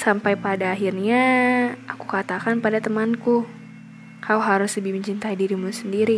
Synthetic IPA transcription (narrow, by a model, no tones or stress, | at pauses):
sampajpadaːɦirɲaʔaku̥kat̪akanpadat̪əmanku | kʰaluɦaɾʊsləbihməɲt͡ʃint̪aidiɾimusəndiɾi